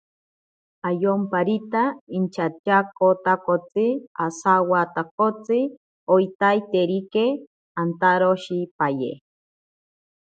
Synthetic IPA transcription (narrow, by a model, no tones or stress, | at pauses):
ajompaɾit̪aint͡ʃʰat͡ʃakot̪akot͡sɨasawat̪akot͡sɨ | ojt̪ajt̪eɾike | ant̪aɾoʃipaje